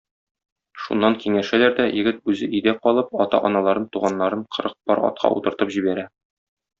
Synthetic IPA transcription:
ʃṵnːɑŋkiŋæʃælæɾd̪æjɘ̆ɡɘt̪̚ʉzɘʔĭjd̪æqɒlˠɤp̚ɒt̪ɑ̰ʔɒnɑlˠɑɾɤnt̪uʁɑnːɑɾɤɴqʰɤ̆ɾɤq̚bɒ̰ɾɒ̰t̪̚qʰɑ̰ʔṵt̪ɤ̆ɾt̪ɤpʑibæɾæ

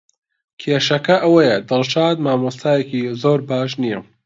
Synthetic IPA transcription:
kʰeːʃɐkɐʔɐwɐjɐd̪ɨlˠʃaːd̪̚maːmost̪ʰaːjekizoːɾbaːʃ̬nijɐ

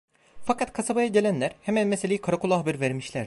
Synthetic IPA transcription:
fakat̪kʰasabajaɟe̞lʲænlʲæɾhemænmeselʲejikʰaɾakulˠaɦbiɾvæɾmiʃlʲæɾ̥

